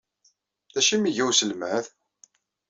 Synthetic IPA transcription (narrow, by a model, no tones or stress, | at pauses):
ðæʃimiʝæwsəlmæð